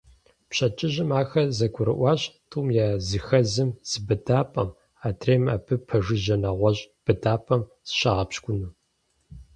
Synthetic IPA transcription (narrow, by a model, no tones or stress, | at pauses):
pɕɐt͡ʃʼɪʑɪmaːxɐzɐɡʷʰʊɾɨ̰ʔʷɑːɕtʰʼuːmjaːzɨxɐzɨmz̥ɨbɨdaːpʼɐm | aːtʰreːma̰ːpʰɨpʰɐʒɨʒɐnɐʁʷɔʑʼb̥ɨdaːpʼɐm | z̥ɨ̥ɕaʁɐpɕkʷʼʊnuː